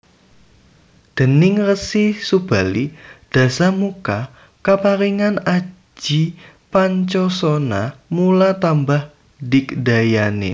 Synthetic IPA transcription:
d̪̥ə̤nɪŋrəsisub̥a̤lid̥ä̤samuka | kapaɾiŋanḁ | d͡ʒ̥i | paɲt͡ʃɔsonamulat̪ambah | dɪkd̥ajanḛ

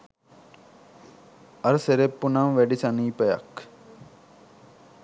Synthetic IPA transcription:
ɐɾseɾepːunamʋeɖisɐniːpɐjɐ̰k

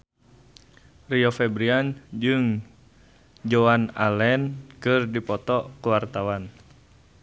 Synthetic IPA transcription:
riɔfɛbɾiand͡ʒɨŋ | d͡ʒoana̰lɛnkɨrdipɔt̪ɔkuwart̪awan

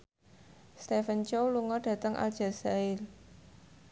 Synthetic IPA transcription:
st̪efənt͡ʃowluŋɔɖ̥ä̤t̪əŋʔa̰ld̥ʒ̥a̤saɪl

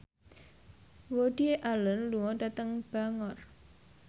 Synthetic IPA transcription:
woɖ̥ieʔalənluŋɔɖa̤t̪əŋb̥aŋɔr

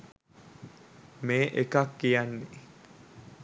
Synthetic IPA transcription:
meːʔekakːijanːe

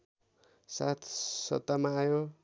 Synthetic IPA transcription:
sat̪ʰsʌ̰t̪ːamaːjo

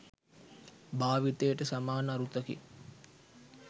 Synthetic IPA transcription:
baːʋit̪ejəʈəsamaːnəaɾut̪əkḭ

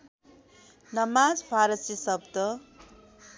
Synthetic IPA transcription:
nʌmad͡zpʰaɾʌsisʌb̚t̪ʌ

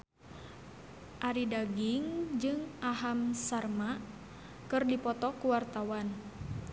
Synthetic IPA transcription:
ʔaɾidaɡiŋd͡ʒɨŋʔaɦamsarma | kɨrdipɔt̪ɔkuwart̪awan

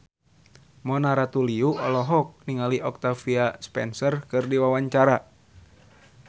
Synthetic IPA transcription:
mɔnaɾat̪uliuʔɔlɔɦɔk̚niŋaliʔɔk̚t̪afiaspɛ̰nsərkɨrdiwawaɲt͡ʃaɾa

